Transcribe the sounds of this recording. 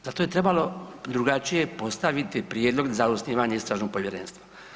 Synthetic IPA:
zat̪o̞jet̪ɾe̞balo̞d̪ɾuɡat͡ʃije̞po̞st̪aʋit̪ipɾjeːd̪lˠo̞ɡzausniːʋaːɲeist̪ɾaːʒno̞ɡ̚poʋjeɾenst̪ʋḁ

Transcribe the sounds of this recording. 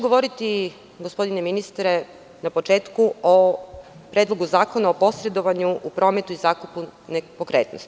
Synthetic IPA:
ɡoʋo̞ɾit̪i | ɡospo̞d̪ineminist̪ɾe̞ | napo̞t͡ʃe̞ːt̪kuopɾeːd̪lˠo̞ɡuzaːko̞naopo̞sɾe̞d̪o̞ʋaɲuʔupɾo̞ːme̞t̪uizaːkupunepokɾe̞ːt̪no̰st̪i̥

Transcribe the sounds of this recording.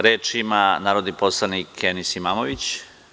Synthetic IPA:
ɾeːt͡ʂimanaːɾod̪niposlˠanikʰenisimaːmoʋit͡ɕ

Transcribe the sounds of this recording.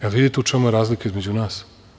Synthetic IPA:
elvid̪it̪eut͡ʃemujeɾaːzlikaizmed͡ʑunaːs

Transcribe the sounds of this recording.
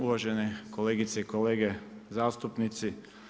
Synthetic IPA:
uʋaʒenekoleːɡit̪seikoleːɡezaːst̪upnit̪si

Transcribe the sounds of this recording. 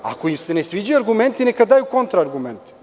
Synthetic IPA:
a̰koimse̞nesʋiːd͡ʑajuaɾɡument̪inekad̪aːjuko̞nt̪ɾaːɾɡument̪i̥

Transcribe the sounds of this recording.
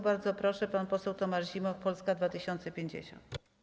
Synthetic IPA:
baɾd̪zɔpɾɔʂɛpanpɔsɛwt̪ɔmaʐʑimɔfpɔlskad̪vat̪ɘɕɔnt̪sɛpʲjeɲd͡ʑḛɕɔ̰nt̪

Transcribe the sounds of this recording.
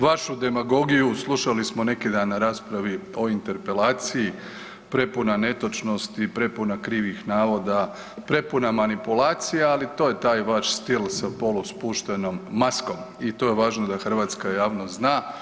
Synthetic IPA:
ʋaʃud̪e̞maɡo̞ɡijuslˠuʃalismo̞ne̞kid̪anːaɾaːspɾaʋio̞int̪e̞ɾpe̞laːt̪siji | pɾe̞punane̞t̪o̞t͡ʃno̞st̪ipɾe̞punakɾiːʋixnaːʋo̞d̪a | pɾe̞punamanipulaːt̪sijaalit̪o̞je̞t̪aːjʋaʃst̪ilsapo̞luspuʃt̪eno̞mːasko̞m | it̪o̞jeʋaːʒnod̪axr̩ʋaːt̪skajaːʋnoznaː

